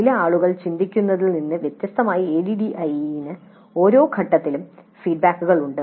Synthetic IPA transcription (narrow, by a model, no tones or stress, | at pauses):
ilɐaːɭuɣɐɭt͡ɕind̪ikʲːunːɐðilninːɨʋjet̪jɐst̪ʰɐmaːjieːɽiɖiʔɐjinɨ | o̞ːɾo̞ːkʰɐʈːɐt̪ːilum | fiːɖ̚baːkːuɣɐɭuɳɖɨ